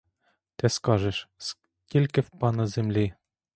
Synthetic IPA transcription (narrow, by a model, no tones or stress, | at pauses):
t̪ɘ̆skɑʒɘ̆ʃs | kʲelʲkʲɘ̆fpɑnɤ̆zemlʲe